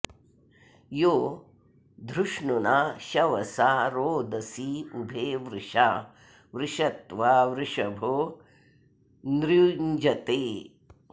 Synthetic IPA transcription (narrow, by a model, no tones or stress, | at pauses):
joː | d̪ʱɾuʂɳunaʃɐʋɐsaːɾoːd̪ɐsiubʱeːʋɾɪʂa | ʋɾɪʂɐt̪ʋaːʋɾɪʂɐbʱo | nɾuɲd͡ʒɐt̪eː